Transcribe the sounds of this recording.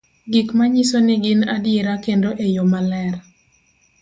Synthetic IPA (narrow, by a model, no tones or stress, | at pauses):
ɡɪkmaɲisonɪɡɪnadjeɾakendoʔejomalɛr